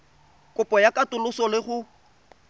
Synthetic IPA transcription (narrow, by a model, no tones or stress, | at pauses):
kʼʊpʼɔjakʼatʼʊlʊsɔlɪχʊ